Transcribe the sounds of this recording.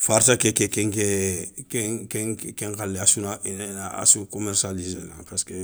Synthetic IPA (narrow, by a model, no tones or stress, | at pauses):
faɾtakɛkɛkɛ̃ŋkɛkɛ̃kɛ̃kɛ̃ŋkaleasunaʔenɛnaa̰sukɔmɛɾsalizenã̰paske